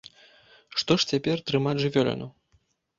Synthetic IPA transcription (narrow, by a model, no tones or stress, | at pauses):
ʂt̪ɔʂt͡sʲapʲɛrt̪ɾɨmad͡zʲʐɨvʲɔlʲɛ̰nu